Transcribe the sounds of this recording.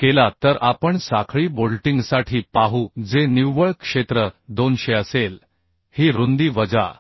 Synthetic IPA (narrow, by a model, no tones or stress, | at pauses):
kelat̪əɾʔapəɳsakʰɭiːbolʈiŋɡsaʈʰiːpaɦud͡zeniʋʋəɭkʂet̪ɾəd̪onɕeəsel | hiːɾond̪iːʋəd͡za̰